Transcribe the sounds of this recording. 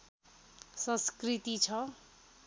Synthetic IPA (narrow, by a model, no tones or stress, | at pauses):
sʌ̃skrit̪it͡sʰʌ